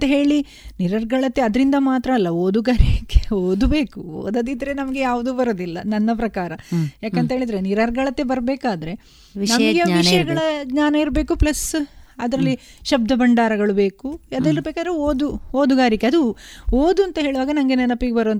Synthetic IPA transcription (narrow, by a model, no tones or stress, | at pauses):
ɐnt̪ɐɦe̞ːɭi | niɾɐɾɡɐɭɐt̪ːeɐd̪ɐɾind̪ɐmaːt̪ɾɐːlːɐoːd̪uɡaːɾiɐkːeoːd̪ube̞ːkuo̰ːd̪ɐd̪id̪ɐɾenɐmɐɡe̞jaːʋud̪uːbɐɾoːd̪ilːɐnɐnːɐpɾɐkaːɾɐjaːkent̪ɐɦeɭid̪ɐɾeniɾɐɾɡɐɭɐt̪ːe̞bɐɾbeːkaːd̪ɐɾe̞ | nɐɐɡeʋiʂɐjɐɡɐɭɐɡɲaːnɐiɾbe̞ːkuplɐsɐd̪ɐɾɐlːi | ʃɐb̚d̪ʱɐbɐɳɖaːɾɐɡɐɭube̞ːkuɐd̪ɐlːɐbeːkaːd̪ɐɾeoːd̪uoːd̪uɡaːɾjikːeɐd̪uoːd̪uɐnt̪ɐɦeːɭiuʋaːɡɐnɐmɡenɛnɐpːiɡebɐɾoɐnt̪